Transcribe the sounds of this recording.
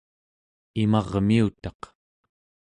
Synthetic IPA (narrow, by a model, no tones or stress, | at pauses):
imɑʁmiut̪ɑq